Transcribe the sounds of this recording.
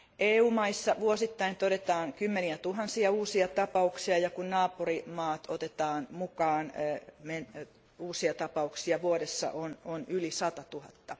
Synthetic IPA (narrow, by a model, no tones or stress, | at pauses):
ʔeːuːmɑisːɑʋuosit̪ːɑint̪oɾet̪ɑːŋkymːeniæt̪uɦɑnsiɑuːsiɑt̪ɑpɑuksiɑjɑkunnɑːpurimɑːt̪ot̪et̪ɑːnmukɑːnmen | uːsiɑt̪ɑpɑuksiɑʋuoɾesːɑ̰ʔononylisɑt̪ɑt̪uhɑt̪ːɑ